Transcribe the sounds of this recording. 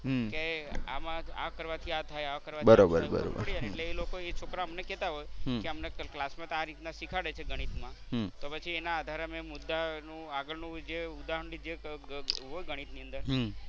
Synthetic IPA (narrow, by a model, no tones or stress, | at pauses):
kea̰mãa̰kəɾʋat̪ʰiat̪ʰajaʋkəɾʋabəɾobə̰ɾbə̰ɾo̰bɽianeeʈleːlokoet͡ʃʰokɾaəmnekɛt̪aɦojkeəmneklasmãt̪aɾit̪naʃikʰaɽet͡ʃʰeɡəɽ̃it̪mãt̪opət͡ʃʰienaːd̪ʱaɾəmemʊd̪ːanũaɡəɭnũd͡ʒeud̪aɦəɳlid͡ʒe | ɦojɡəɽ̃it̪niə̃nd̪əɾ